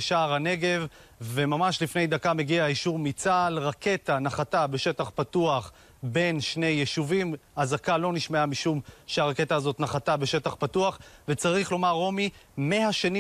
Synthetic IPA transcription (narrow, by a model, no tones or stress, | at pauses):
ʃaːʁane̞ɡe̞v | ve̞mamaʃlifne̞jd̪akame̞ɡiaiʃuʁmit͡salʁake̞tanaχatabe̞ʃe̞taχpatuaχ | be̞nʃne̞jːeʃuvimazakalo̞niʃmeamiʃumʃeaʁake̞taːzot̪naχatabe̞ʃe̞taχpatuaχve̞t͡saʁiχlo̞maʁːo̞mimehaʃeni